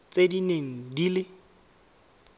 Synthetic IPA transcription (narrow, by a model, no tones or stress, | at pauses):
t͡sedineŋ̩dilɪ